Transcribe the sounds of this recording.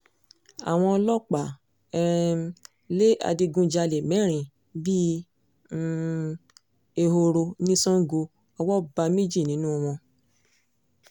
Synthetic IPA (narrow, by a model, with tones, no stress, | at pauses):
a̰˨w̃ɔ̃˧lɔ˦k͡pa˨ | ɛ˧ɾɛ̃˧ | le˦a̰˧di˧ɡũ˦d͡ʒa˧le˨mɛ̃˨˦ɾ̃ĩ˨ | bi˦ | e˧ɦo˧ɾo˧nĩ˦sɔ̃˦ɡo˧ | ɔ˧wɔ˦ba˧me˦d͡ʒi˦˨nĩ˨˦nũ˦ɔ˧w̃ɔ̃˧